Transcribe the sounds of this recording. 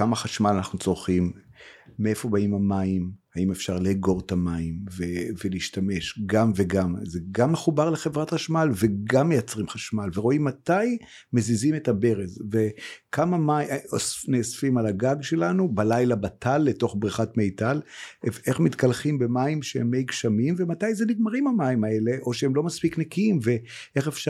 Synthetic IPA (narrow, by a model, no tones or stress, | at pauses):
kamaχaʃmalanaχnut͡so̞ʁχimː | ee̞fo̞baimamaimhaime̞fʃaʁleːɡo̞ʁtamaimveveliːʃtame̞ʃɡamveɡamzeɡamːeχubaʁle̞χe̞vʁatχaʃmalve̞ɡamːejat͡sʁimχaʃmalveʁo̞imːataj | me̞zizime̞thabe̞ʁezve̞kʰamamaosnesfimalaɡaɡʃe̞lanubalajlabatʰalːe̞to̞χbʁiχatme̞jtaleeχmitkalχimbe̞maimʃehemːejkʃamimve̞matajzeniɡmaʁimamaimae̞le̞ʔo̞ʃeemlo̞maspiknekiimve̞ | ʔeχefʃ